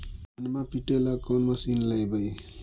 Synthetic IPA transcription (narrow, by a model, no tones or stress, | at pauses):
ʌnmapiʈelakɔnmʌsinlajbəj